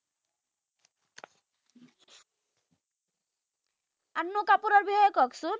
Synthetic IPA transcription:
anːokapuɾaɾbiɦɔjɔkɔksun

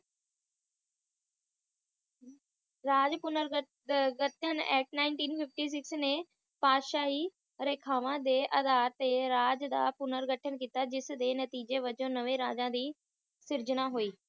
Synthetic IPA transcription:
ɾaːd͡ʒpʊnəɾ | ɡəʈʰənɛ̰ːʈnaːɪnʈiːnpʰɪf̚ʈiːs̬ɪksnẽ | paːd̪ʃaːɦiː | ɾeːkʰaːʋãːd̪eːʔəd̪aːɾt̪eɾaːd͡ʒd̪a̰ːpʊnəɾɡəʈʰənkiːt̪ad͡ʒɪsd̪eːnɐt̪iːd͡ʒeʋəd͡ʒõːnəʋeɾaːd͡ʒãːd̪iː | sɪɾd͡ʒəɽ̃aɦoiː

